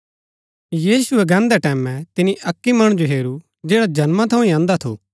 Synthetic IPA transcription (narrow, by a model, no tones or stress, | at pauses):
jiːsʊɛɡɛ̃ːnd̪ɛʈɛːmɛ̃t̪ɪniʔɐkːimɐɽ̃d͡ʒoɦeːɾu | d͡ʒeːɽad͡ʒɐnmãt̪ʰɐũĩãːnd̪at̪ʰo̰ː